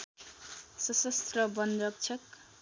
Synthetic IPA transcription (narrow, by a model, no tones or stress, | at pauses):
sʌsʌst̪rʌbʌnɾʌk̚t͡sʰʌk